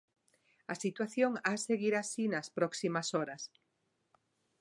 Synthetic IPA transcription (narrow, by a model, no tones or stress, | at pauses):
ɐsit̪waθjoŋaseɣiɾasinɐspɾɔksimasoɾɐs